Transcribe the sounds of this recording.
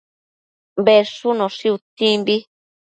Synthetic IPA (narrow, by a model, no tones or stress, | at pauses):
beʂunõʂiut̪ĩmbi